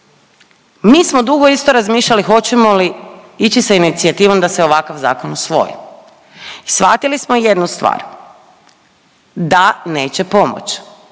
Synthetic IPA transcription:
miːsmo̞d̪uɡo̞ist̪o̞ɾazmiːʃʎalixo̞t͡ɕe̞mo̞liit͡ɕisainit̪siat̪iːʋo̞md̪aseo̞ʋakaʋza̰ːko̞nosʋo̞̰jḭ | isʋat̪ilismoje̞d̪nust̪ʋa̰ːɾ | d̪ane̞ːt͡ɕepo̞mo̰t͡ɕ

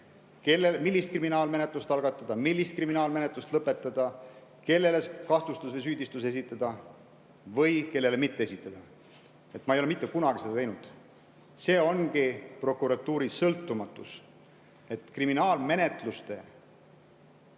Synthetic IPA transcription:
kelːemilːist̪̚kriminɑːlme̞net̪lust̪ɑlɡ̥ɑt̪ːˑɑd̪̥ɑmilːist̪̚kriminɑːlme̞net̪lust̪lɤpːˑe̞t̪ːˑɑd̪̥ɑ | ke̞lːe̞le̞skɑht̪ust̪usvejs̬yːd̪ist̪use̞s̬it̪ˑːɑd̪̥ɑ | vɤ̞jke̞lːe̞le̞mit̪ˑːee̞sit̪ːˑɑd̪̥ɑ | e̞t̪ːmɑejoeit̪ˑːe̞kunɑɡ̥ised̪ɑt̪e̞jnud̪̥ | se̞ːo̞nɡipro̞kˑuɾɑt̪ːuːɾisɤlt̪ːˑumɑt̪ːˑus | e̞t̪kriminɑːlme̞ne̞t̪lust̪e̞

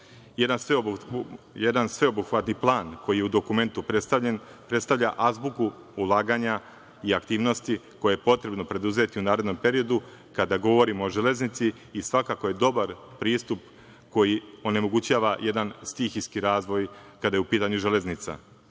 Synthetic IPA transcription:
jed̪anse | jed̪ansʋe̞o̞buxʋat̪niplˠaːnko̞jije̞ud̪o̞kume̞nt̪up̪enpɾet̪st̪avʎʲaʔazbuku | ulˠaːɡaːɲa | iakt̪iːʋno̞st̪iko̞jejepo̞t̪ɾe̞bno̞pɾe̞d̪uze̞t̪iunaːɾe̞d̪no̞mpe̞ɾio̞d̪u | kad̪aɡo̞ʋo̞ɾimooʒele̞znit̪siː | sʋakako̞je̞d̪o̞baɾpɾiːst̪up | ko̞jio̞ne̞mo̞ɡut͡ɕaːʋaje̞d̪anst̪ixiskiɾaːzʋo̞jkad̪ajeupiːt̪aɲuʒe̞le̞znit̪sa̰

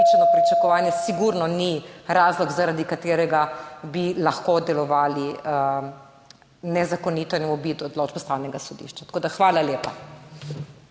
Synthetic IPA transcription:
it͡ʃɛnɔpɾit͡ʃakɔʋaːnjɛsiɡuɾnɔniɾaːzlɔɡzaɾad̪ikat̪eːɾɛɡabilaxkod̪ɛlɔʋaːli | nɛzakɔniːt̪ɔnɛmɔbiːt̪ɔd̪loːd͡ʒbɛst̪awnʲɛɡasɔd̪ḭʃt͡ʃat̪akoːd̪axʋaːlaleːpa

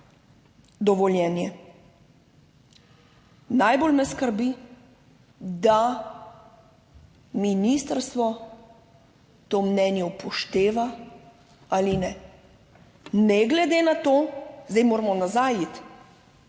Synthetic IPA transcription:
d̪ɔʋɔljɛːnjɛ | najbolmɛskəɾbi | d̪a | minist̪əɾst̪ʋɔ | t̪omnɛːnjɛwpʰɔʃt̪eːʋa | alinɛ | nɛɡlɛd̪eːnat̪oːzd̪ɛjmoːɾamɔnazajit̪

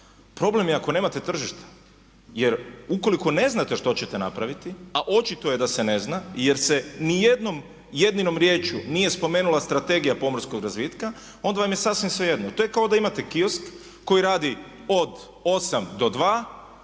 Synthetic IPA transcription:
pɾo̞ble̞mjeako̞ne̞ːmat̪e̞t̪r̩ʒiʃt̪ḁ | je̞ɾuko̞liko̞ne̞znat̪eʃt̪o̞t͡ɕet̪ena̰pɾaʋit̪iaʔo̞t͡ʃit̪o̞jed̪ase̞ne̞znaje̞ɾsenije̞d̪no̞m | je̞d̪nino̞mɾje̞ːt͡ʃunije̞spo̞me̞ːnulast̪ɾat̪e̞ɡijapo̞mrsko̞ɡɾazʋit̪ka | o̞nd̪aʋamjesasʋimsʋe̞je̞d̪not̪o̞jekao̞d̪aimat̪e̞kio̞skː | o̞jiɾaːd̪i | o̞d̪ | o̞samd̪o̞d̪ʋaː

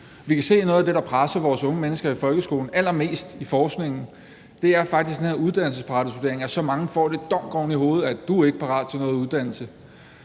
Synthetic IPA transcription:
ʋikʰæse̝̰ːnɔ̽ːð̩ˠæd̥e̝ɾɑ̈pʰʁasɐʋɒːsɔ̽ŋəmenəsɡ̥ɐifɒ̽lɡ̥əsɡ̥o̝̰ːln̩æl̰ɐme̝̰ːsd̥ifɒːsɡ̥ne̝ŋ̰n̩ | d̥e̝æɐfɑ̈ɡ̥d̥isɡ̥enhe̝ɐuð̞ˠd̥æn̰l̩səspʰɑ̈d̥əsd̥ud̥e̝ɐeŋæɐsɒ̽mɑ̈ŋəfɒ̰ːd̥e̝d̥ɒ̽m̰ɡ̥ɒʊniɦo̝ːð̞̩ˠæd̥uæe̝ɡ̥əpʰɑ̈ʁɑ̰̈ːðd̥ˠt͡sʰe̝nɔ̽ːð̩ˠuð̞ˠd̥æn̰l̩sə

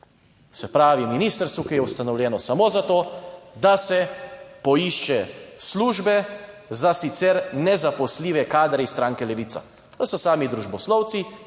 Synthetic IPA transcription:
sɛpɾaːʋiminiːst̪əɾst̪ʋukijɛust̪anɔwlʲjɛːnɔsamoːzat̪oːd̪asɛpɔiʃt͡ʃɛsluːʒbɛ | zasit̪sɛɾnɛzapɔsliːʋɛkaːd̪ɾɛist̪ɾaːŋkɛlɛʋiːt̪sa̰ | d̪̥asɔsaːmid̪ɾuʒbɔslɔwt̪si

